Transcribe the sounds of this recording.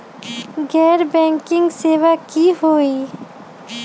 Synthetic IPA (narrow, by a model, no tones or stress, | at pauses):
ɡɛːɾbɛ̃ːŋkɪ̃ŋɡseːʋakiɦoːiː